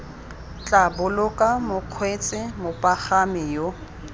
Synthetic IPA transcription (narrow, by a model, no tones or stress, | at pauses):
t͡ɬʼabʊlʊkʼamʊq͡χʰwet͡sʼɪmʊpʼaχamɪjo